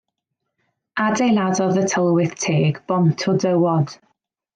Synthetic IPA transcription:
adejladɔðətʰəlˠwɪθtʰeːɡb̥ɔmtʰʊdəwɔd̥

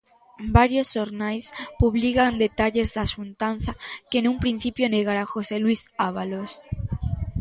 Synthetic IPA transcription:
baɾjosːoɾnajspuβlikand̪et̪aʎezðasunt̪an̟θakenũmpɾin̟θipjoneɣaɾaxoselwisaβ̞alos

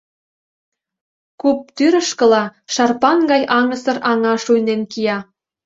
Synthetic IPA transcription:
kup̚t̪yɾə̆ʃkə̆lɑʃɑrpɑnɡɑjʔɑŋə̆sɤ̆rɑŋɑʃujnenkijɑ

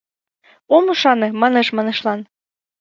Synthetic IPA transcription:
omuʃɑnɤ̆mɑnɤ̆ʃmɑnĕʃlˠɑn

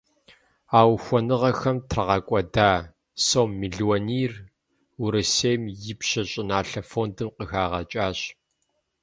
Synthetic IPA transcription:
aːwxʷɔnɨʁɐxɐmtʰrɐʁɐkʷʼɔdaː | soːmːiɮwoniːr | wuɾɨseːmjɪpɕɐɕʼɪnaːɬɐfoːndɨmqəxaːʁɐt͡ʃʼaːɕ

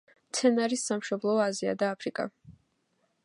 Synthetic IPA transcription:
t̪sʰɛnaɾisːamʃɔblˠɔazia̰d̪aːpʰɾikʼa̰

